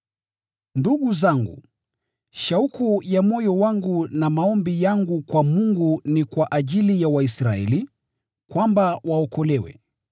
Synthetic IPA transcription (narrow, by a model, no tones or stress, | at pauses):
nduɠuzaŋɡṵ | ʃaukujamɔjɔwaŋɡunamaɔmbijaŋɡukwamuŋɡunikwaʔaʄilijawaisɾaɛ̰li | kwambawaɔkɔlɛwɛ̰